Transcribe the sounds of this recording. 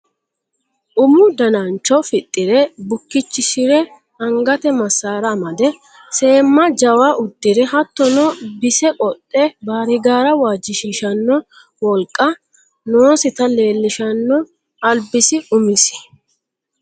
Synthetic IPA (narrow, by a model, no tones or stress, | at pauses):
ʔʊmʊd̪ɐnɐnt͡ʃːɔfɪt̪ʼːɪɾɛbʊkːɪt͡ʃːɪsɪɾɛ | ɐŋɡɐt̪ɛmɐsːaːɾɐmɐd̪ɛ | se̞ːmːɐd͡ʒɐwaʔʊd̪ːɪɾɛɦɐt̪ːɔnɔbɪsɛkʼɔt̪ʼːɛbaːɾɪɡaːɾɐwaːd͡ʒːɪʃiːʃɐnːɔ | wɔlkʼːɐ | noːsɪt̪ɐle̞ːlːɪʃɐnːɔ | ɐlbɪsɪʔʊmɪsɪ̥